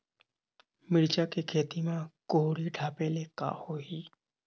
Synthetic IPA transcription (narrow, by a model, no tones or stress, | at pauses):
mɪɽt͡ʃakekʰeːt̪imãkoɦɽiɖʱaːpeːleka̰hoɦiː